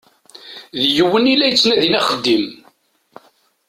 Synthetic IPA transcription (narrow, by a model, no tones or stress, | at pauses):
ðjəwːənilːæjət͡sːnæðinæχəd̪ːim